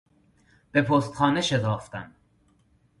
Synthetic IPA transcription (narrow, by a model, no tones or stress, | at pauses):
b̥e̞pʰoːst̪xɒːne̞ʃet̪ʰɒːft̪æ̰n